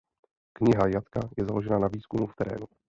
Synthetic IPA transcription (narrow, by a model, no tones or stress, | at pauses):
kɲɪɦajat̪kajɛzalo̞ʒɛnanaviːskumuft̪ɛɾɛ̰ːnu